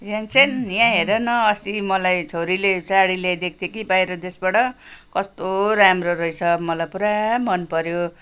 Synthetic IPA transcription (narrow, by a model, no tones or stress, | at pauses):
jãnt͡sʰenjãɦeɾʌnʌːsimʌlajt͡sʰoɾilet͡saɽiled̪ek̚ʰd̪ekibajɾʌd̪esbaʈʌkʌst̪oɾamroɾʌjt͡sʰʌmʌlajpuɾamʌnpʌɾjo